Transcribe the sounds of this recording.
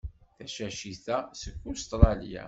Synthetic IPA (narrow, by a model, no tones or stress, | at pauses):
θæʃæʃiθæsəkːʊst̪ɾˤɑlja̰